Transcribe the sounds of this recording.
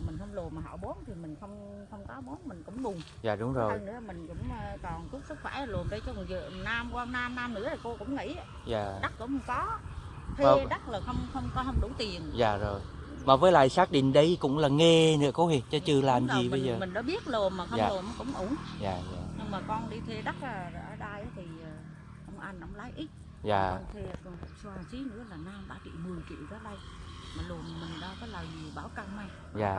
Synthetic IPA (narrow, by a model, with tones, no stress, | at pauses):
mi˨˩ŋ̟hə˧ŋ͡mlu˨˩maː˨˩ɦɔ̰˧˨˩wɓo˨˦ənt̪ʰi˨˩mï˨˩ŋ̟xə˧wŋ͡m | xə˧wŋ͡mkɔ˨˦ɓo˨˦ənmï˨˩ŋ̟kʊ̰˧˥wŋ͡mɗʊ˨˩ŋ͡m | zaː˨˩ɗʊ˨˦ŋ͡mzo˨˩˧jnɨ̰˧˥mï˨˩ŋ̟kʊ̰˧˥wŋ͡mt̪ɔ˨˩ntu˦˥p̚sɨ˦˥k̚xwa˧˩jlu˨˩ənɗə˧˩jt͡ɕzɨ̰˧˨ənaː˧mkwaː˧naː˧mnaː˧mnɨ̰˧˥ət̪ʰi˨˩ko˧kʊ̰˧˥ŋ͡mŋḭ˧˥˨ | zaː˨˩ɗa˦˥k̚ko̰˧˥ŋ͡mkɔ˨˦ | ki˧˩ɗa˦˥k̚laː˨˩xə˧wŋ͡mxə˧wŋ͡mkɔ˨˦hə˧wŋ͡mɗu˧˩˦t̪i˨˩ənzaː˨˩zo˨˩j | maː˨˩vəː˨˦jla̰ː˧˨jsaː˦˥k̚ɗḭ̈˧˨ŋɗə˧jkʊ̰˧˥ŋ͡mlaː˨˩ŋɛ˧nɨ̰˧˥kɔ˨˦hi˧˩t͡ɕɔ˨˦t͡ɕɨ˧laː˨˩mzi˨˩ɓə˧jzəː˨˩mï˨˩ŋ̟ɗa̰ː˧˥ɓi˦˥ət̚lo˨˩nmaː˨˩xə˧awːlo˨˩nm˨˦kʊ̰˧˥ŋ͡mʔu˨˧˦ənzaː˨˩za̰ː˨˩ɲɨ˧ŋmaː˨˩kɔ˧nɗi˧t̪ʰe˧ɗa˦˥k̚aː˧˩˨ʔəː˧˩ɗaː˧jʔaː˨˦t̪ʰi˨˩əː˨˩ | ʔə˧wŋ͡mʔa˧nʔə̰˧˦ŋ͡mlaː˨˦jʔi˦˥t̚ | za̰ː˨˩˧t̪ʰe˧˨˩saː˧˩si˨˦nɨ̰˧˥əlaː˨˩naː˧mɓa̰ː˧˩t͡ɕḭ˧˨mɨ˨˩əjkḭ˧˨wzəː˨˦ɗa˧j | maː˨˩lo˨˩əm˨˩mï˨˩ŋ̟ɗaː˧˦kɔ˨˦laː˨˩wzi˨˩ɓaː˧˩wka˧ŋmaː˧ | zaː˨˩